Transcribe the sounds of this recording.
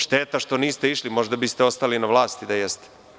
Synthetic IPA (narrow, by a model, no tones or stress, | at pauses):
ʃt̪eːt̪aʃt̪o̞niːst̪eiʃlimo̞ʒd̪abist̪eo̞st̪alinaʋlˠaːst̪id̪ajest̪e̥